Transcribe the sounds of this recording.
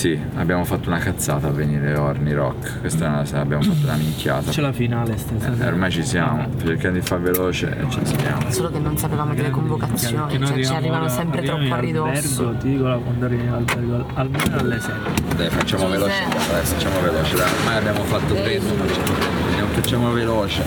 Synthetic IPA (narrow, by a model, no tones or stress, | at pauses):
si | a̰bːjaːmofat̪ːounakat̪sːaːt̪avːeniːɾeorniɾɔ̰kː | kwest̪ɛlasabːjaːmofat̪ːounamiŋkja̰ːt̪at͡ʃɛlafinaːlest̪ɛao̰ɾmajt͡ʃisjaːmot͡ʃerkjamd̪od̪ifaɾveloːt͡ʃḛt͡ʃisabja̰ːmosolokenonsapevamodlekomvokasːjonennojariaamivamsɛmpɾeiɔamlibɛrɡot̪id̪ikolakwand̪oarivialbɛrɡoa | almɛnalːesɛ | d̪ajfat͡ʃːamovelot͡ʃdɛsat͡ʃːamoveloːt͡ʃed̪ajoɾmajabːjamofat̪ːopɛzːomat͡ʃat̪ːopɛnːoedjamofat͡ʃːamoveloːt͡ʃe